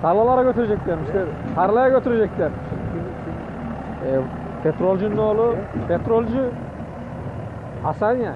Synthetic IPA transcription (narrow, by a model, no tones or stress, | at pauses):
t̪ʰɑɾlˠɑlˠɑɾakʰʲøt̪øɾed͡ʒek̚t̪eɾmsleɾ | t̪ʰɑɾlˠɑjakʲøt̪øɾed͡ʒek̚t̪eɾ | in | pʰʲet̪ɾolʲˠʒynolˠupʰʲet̪ɾolʲʒy | ɑsanʲja